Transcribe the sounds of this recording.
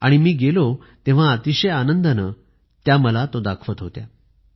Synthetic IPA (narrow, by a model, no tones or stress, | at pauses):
a̰ɽ̃imiːɡelo | t̪ẽʋ̤aːt̪iɕəjanənd̪ənə | t̪jaməlat̪od̪akʰʋət̪ɦot̪ja̰